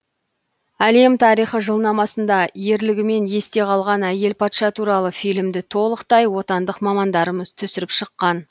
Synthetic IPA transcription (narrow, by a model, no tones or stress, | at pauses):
æle̞mt̪ʰɑɾijχəʒəlˠnɑmɑsənd̪ɑje̞ɾlɪɡʲɪme̞nje̞st̪e̞qʰɑlˠʁɑnæje̞lpʰɑt̪ʃɑt̪ʰuɾɑlˠəfijlɪmd̪ɪt̪ʰo̞lˠəqt̪ɑjwo̞t̪ɑnd̪əqmɑmɑnd̪ɑɾəməz̥t̪ʰʏsɪɾɪpʃəqːɑn